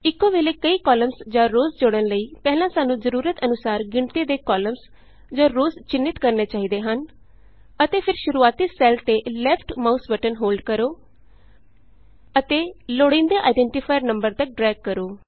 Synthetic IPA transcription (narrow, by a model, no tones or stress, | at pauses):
ɪkːõːʋeːleːkəiːkɔːləmsd͡ʒãːɾoːzd͡ʒoːɽənləiːpɛɦlãːsaːnũːzəɾuːɾət̪ənʊsaːɾɡɪɳt̪eːd̪eːkɔːləms | d͡ʒãːɾoːzt͡ʃɪnːɪt̪kəɾneːt͡ʃaːɦiːd̪eːɦən | ət̪eːpʰɪɾʃʊɾuːaːt̪iːsɛːlt̪eːlɛːpʰʈmaːusbəʈənɦoːlɖkəɾoː | ət̪eːloːɽɪ̃nd̪eːʔaːɪɖɛ̃ːɳʈiːpʰaːjɾnəmbəɾt̪ək̚ɖɾɛːɡ̚kəɾoː